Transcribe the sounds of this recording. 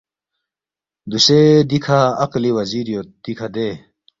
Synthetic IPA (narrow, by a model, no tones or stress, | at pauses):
d̪uɕed̪ikʰaːqliwɐziːɾjod̪̥ikʰad̪eː